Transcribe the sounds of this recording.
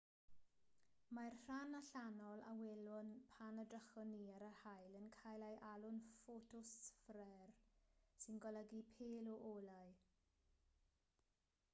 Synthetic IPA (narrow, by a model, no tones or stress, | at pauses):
marr̥anaɬanɔlˠa̰wɛlʊnpʰanədrəχɔniaɾərhajlənkʰajlajʔalʊnfotʰʊsfɾɛrsɪnɡɔləɡipʰeːlɔʔolaj